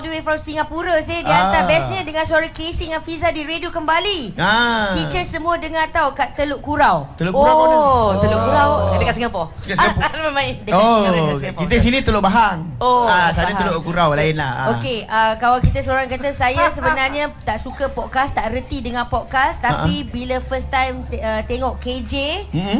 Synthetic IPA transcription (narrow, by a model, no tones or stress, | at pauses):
ɔldəwefɾɔmsiŋapuɾəsɪdiant̪abɛsɲədəŋãnsəoɾaŋkesɪŋafizadiɾediokəmbaliafit͡ʃəsəmũədəŋãt̪awkaʔt̪əloʔkuɾawt̪əloʔkkouɾat̪əloʔkuɾawdəkasiŋapɔsu̥kasapməmajdəokit̪əis̬inĩt̪əloʔbaɦaŋoasanaəloʔkuɾawlaɪnlahaokeəkalawkit̪əsəoɾaŋkat̪əsajasəbənarɲãt̪aʔsukəpɔt̪̚kast̪aʔrət̪idəŋãnpɔt̪̚kast̪apibilafəst̪ajmət̪eŋɔʔked͡ʒe